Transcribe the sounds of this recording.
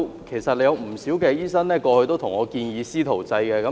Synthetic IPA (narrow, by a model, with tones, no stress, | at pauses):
kʰe˨˩jsɐ˨t̚le˨˧jɐ˨˧wm̩˨˩siː˨˥wkɛː˧jiː˥sɐ˥nlɛː˥kɔː˧hɵ˧jt̪o˥wt̪ʰʊ˨˩ŋɔː˨˧kiː˧njiː˨˧siː˥t̪ʰo˨˩wt͡sɐ˧jkɛː˧kɐ˨˧˦